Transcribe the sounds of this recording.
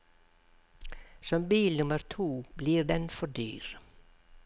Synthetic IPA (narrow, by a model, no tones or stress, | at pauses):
sɔmbiːlnʊməɾt̪ʰuːbliːɾd̪ɛnfɔɖyːɾ